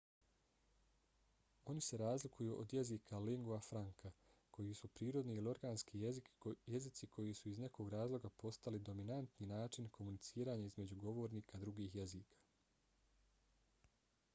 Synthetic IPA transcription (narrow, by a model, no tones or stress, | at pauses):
o̞nise̞ɾaːzlikʰujuʔod̪je̞ziːkʰaliŋɡoafɾaŋkʰakʰo̞jisupɾiːɾo̞d̪niilio̞ɾɡaːnskiikje̞zit̪sikʰo̞jisuizne̞ko̞ːɡɾaːzlˠo̞ɡapo̞st̪alid̪o̞minant̪ninaːt͡ʃinkʰo̞munit̪siːɾaːɲaizme̞d͡ʑuɡo̞ʋo̞ːɾniːkad̪ɾuɡiːɦje̞ziːkʰḁ